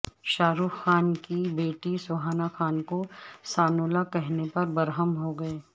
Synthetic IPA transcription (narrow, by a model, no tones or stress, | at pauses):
ʃaːɾuːfxaːnkibeːʈisʊɦaːnaxaːnkosaːnoːlakɛɦnepɐɾbɐɾɦəmɦoɡɐeː